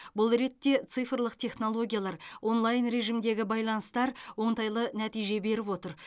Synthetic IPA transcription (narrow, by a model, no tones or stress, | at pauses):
bʊlˠɾe̞t̪ːe̞t̪sɨfɾlˠəq̚t̪ʲʰe̞χno̞lˠo̞ɡʲijalˠɑɾwʔo̞nlˠajnɾe̞ʒimd̪e̞ɡʲɪbɑjlˠɑnəst̪ɑɾwo̞ɴt̪ɑjlˠənæt̪ijʒe̞be̞ɾɪpwo̞t̪əɾ